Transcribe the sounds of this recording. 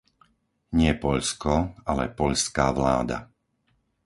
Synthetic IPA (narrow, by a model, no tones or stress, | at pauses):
ɲɪɛpɔʎskɔalɛ̰pɔʎskaːʋla̰ːd̪a̰